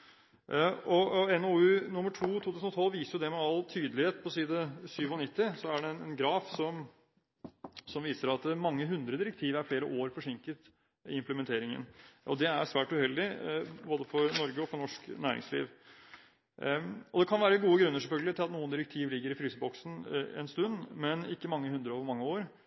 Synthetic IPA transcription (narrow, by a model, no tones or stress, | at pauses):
ɔɛnoʉnʊmːəʈʰuːt̪ʰuːt̪ʉːsnɔt̪ʰɔlːʋiːsəɾjʊd̪ɛmɛɑlt̪ʰyːd̪əlɪheːt̪pʰɔsiːd̪əsyːʋɔnɪt̪ːɪsɔæɖɛnɛnɡɾɑːfsɔm | sɔmʋiːsəɾɑt̪mɑŋːəɦʉnd̪ɾəd̪ɪɾək̚t̪ʰiːʋæɾfleːɾəʔoːɾfɔʂɪŋkət̪ | ɪɪmpləmɛnt̪ʰeːɾɪŋə̰nʔɔd̪ɛæʂʋæːʈʉhɛld̪ɪboːd̪əfɔɾnɔɾɡəɔfɔɳɔʂknæːɾɪ̰ŋslḭːʋ | ɔd̪ɛkʰɑnʋæːɾəɡuːəɡɾʉnːəɾʂɛlfœlɡəlɪt̪ʰɪlɑt̪nuːənd̪ɪɾək̚t̪ʰiːʋlɪɡːəɾɪfɾyːsəbɔksn̩ɛ̰nst̪ʉnːmɛnɪkːəmɑŋːəhʉnd̪ɾəoːʋəɾmɑŋːəoːɾ